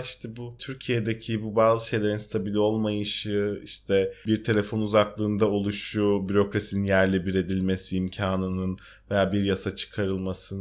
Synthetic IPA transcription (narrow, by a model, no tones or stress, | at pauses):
iʃt̪ʰɛbut̪ʰyɾcʰijed̪ecʰibubaːzɯʃe̞jlʲe̞ɾinst̪ʰabilʲio̞lˠmajɯʃɯiʃt̪ʰɛbiɾt̪ʰe̞lʲe̞fo̞nuzaklˠɯːnd̪ao̞lˠuʃubyɾo̞kɾasininjæɾlʲibiɾe̞d̪ilʲme̞siːmcʰaːnɯnɯn | ve̞jaːbiɾjasat͡ʃʰɯ̥kʰaɾɯlˠmasɯ